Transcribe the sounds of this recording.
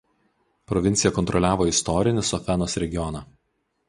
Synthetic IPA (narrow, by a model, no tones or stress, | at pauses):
pɾɔʋʲɪnt̪sʲɪjɛkɔnt̪ɾɔlʲæːʋoːɪst̪ɔɾʲɪnʲɪsɔfʲɛnoːsɾʲɛɡʲɪjɔnɐ